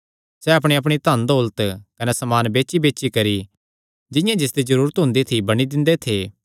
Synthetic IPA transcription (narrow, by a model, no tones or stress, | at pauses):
sɛɐp̬ɽ̃iɐp̬ɽ̃it̪ɐnd̪oːlət̪kɐnɛsɐmaːnbeːt͡ʃʃibeːt͡ʃikɐɾi | d͡ʒɪ̃jãd͡ʒɪsd̪izɐɾuːɾət̪ɦʊ̃nd̪it̪ʰibɐɽ̃id̪ɪ̃nd̪et̪ʰeː